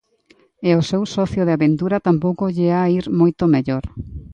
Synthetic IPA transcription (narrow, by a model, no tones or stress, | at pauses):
eosewsɔθjʊðɪaβent̪uɾat̪ampowkoʎeaiɾmojt̪omeʎoɾ